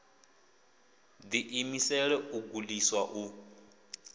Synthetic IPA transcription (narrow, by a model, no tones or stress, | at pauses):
d̪iʔimisɛɺɛuɡuliswaʔu